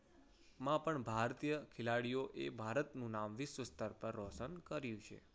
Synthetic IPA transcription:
mãpəɳbʱaɾt̪ijəkʰɪlaɽijoʔebʱaɾət̪nũnamʋɪsʋəst̪əɾpəɾːɔsənkəɾjũt͡ʃʰḛ

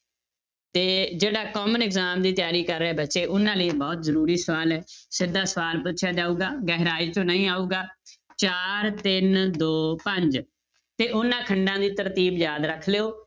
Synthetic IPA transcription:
t̪eːd͡ʒeːɽaːkɔːmənɪkzaːmd̪iːt̪jaːɾiːkəɾːɛːbətːʃeːʔʊnãːləːbɔːt̪zəɾuːɾiːsəʋaːlɛːsɪd̪aːsəʋaːlpʊʃʰjaːd͡ʒaːuːɡaːɡɛːɦɾaːiːt͡ʃõːnəĩːaːuːɡaːt͡ʃaːɾt̪ɪnd̪oːpəɲd͡ʒ | t̪eːʔʊnːãːkʰəɳɖãːd̪iːt̪əɾt̪iːbjaːd̪ɾəkʰleːoː

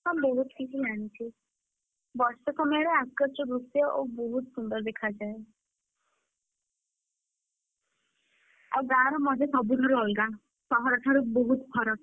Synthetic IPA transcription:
ɦamboɦut̪kit͡ʃʰid͡ʒanit͡ʃʰi | bɔɾstɔsɔmɔjɔɾeaskːɔɾt͡ʃɔb̪usjɔʔoboɦut̪sund̪ɔɾd̪ekʰad͡ʒae | aɡaɾɔmɔd͡ʒesɔbud̪ʱɔɾuɔlɡa | sɔɦɔɾɔʈ̪ʰaɾuboɦut̪pʰɔɾɔ

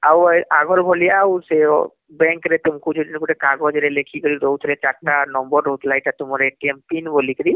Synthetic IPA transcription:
awaɡʱɔɾbʱɔlijawse | bɛ̃ŋkɾet̪umkud͡ʒʰudinkuʈekaɡɔd͡ʒɾelekʰikɔɾiɾowt̪ʰlet͡ʃaʈːanɔmbɔɾɾot̪ʰlajʈat̪umɔɾeʈiempinbolikɾi

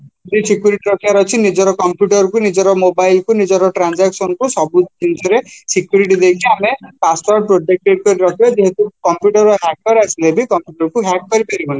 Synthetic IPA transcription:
d̪isikjuɾiʈiɾɔkʰibaɾɔt͡ʃʰinid͡ʒɔɾɔkɔmpjuʈɔɾɔkunid͡ʒɔɾɔmobajlkunid͡ʒɔɾɔʈɾand͡ʒaksɔnɔkusɔbut͡ʃind͡ʒɔɾesikjuɾiʈ̬id̪ekʰiamepasʈaɾ̚pɾod͡ʒek̚ʈeɖ̚kɔɾiɾɔkʰibad͡ʒeɦet̪ukɔmpjuʈɔɾɔɦak̚kɔɾasʰilebikɔmpjuʈɔɾɔkuɦakkɔɾipaɾibɔni

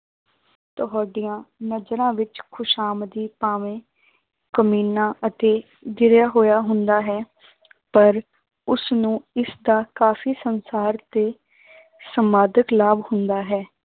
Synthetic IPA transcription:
t̪əɦaːɖijãːnəd͡ʒɾãːʋɪt͡ʃkʰʊʃaːmd̪iːpaːʋẽː | kəmiːnãːʔət̪eː | d̪ɪɾjaːɦoːjaːɦʊnd̪aːɦɛː | pəɾ | ʊsnũːɪsd̪aːkaːfiːsənsaːɾt̪eː | səmaːd̪əklaːbhʊnd̪aːɦɛː

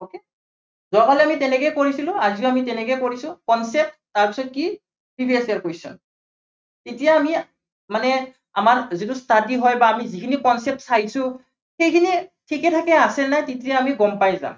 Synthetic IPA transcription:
oke | zɔkalɛamitɛnɛkɛjkoɹisilʊ̃aziʊamitɛnɛkɛjkoɹisʊ̃kɔnsɛp̚ttaɹpisɔt̚ki | pibʰʱisiaɹkojsʊ̰n | tetijaːmi | manɛ | amaɹzit̬ustadiɦɔjbaːmizikʰinikɔnsɛp̚tsajsʊ̃ | xejkʰinitʰikɛtʰakɛasɛnajtitijaːmiɡɔmpajza̰m

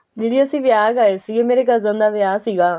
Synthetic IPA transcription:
d͡ʒeːɽiːəsĩːʋɪjaːɡaːeːsiːeːmeːɾeːɡəɾzə̃nd̪aːʋɪjaːsiːɡaː

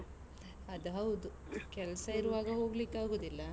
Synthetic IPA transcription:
ɐd̪ɐɦɐwd̪u | kɛlɐsɐiɾuʋaːɡɐɦo̞ːɡlikːaːɡoːd̪ilːɐ

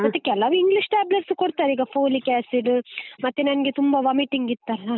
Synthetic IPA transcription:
mɐt̪ːekɛlɐʋuiŋɡliʂʈaːblɐɾskoɽt̪aːɾiːɡɐpʰoːlikaːsiɖmɐt̪ːenɐnɐɡet̪umbɐʋɐmiʈiŋɡit̪ːɐlːa

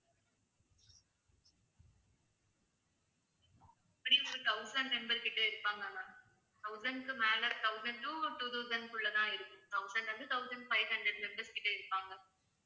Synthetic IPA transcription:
ɪpːɐɽiɔɾɯt̪ɐʊsɐɳɖmɛmbɐɾkɪʈːɐɪɾɯpːaːŋɡɐɐ | t̪ɐʊzɐnɖkɯmaːlɐɾt̪ɐʊsɐɳʈuːʈuːt̪ɐʊzɐnkʊɭːɐðãːɪɾɯkːɯmt̪ɐʊsɐnɖɐðɯt̪ɐʊsɐɳɖfɐɪhɐɳdɾɐɖmɛmbɐɾskɪʈːɐɪɾɯpːaːŋɡɐ

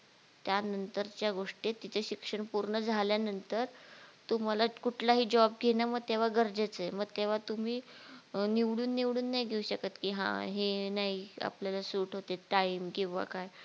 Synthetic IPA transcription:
t̪janənt̪əɾt͡ɕjaɡoʂʈet̪it͡səɕikʂəɳpuɾɳəd͡zʱaljanənt̪əɾt̪um̤alakuʈʰlaɦiːd͡ʑɔb̚ɡʱenaməɡ̚t̪eʋ̤aɡəɾd͡zet͡səjməɡ̚t̪eʋ̤at̪um̤iː | niʋɽuːnːiʋɽuːnːaiɡʱeuɕəkat̪kiːɦã̰ɦenaia̰pljalasuːʈɦot̪eʈaimkĩw̃ʋa̰kaj

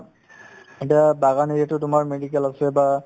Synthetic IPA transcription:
etiabaɣaneɹatʊtʊmaɹmeɖikɛlasɛba

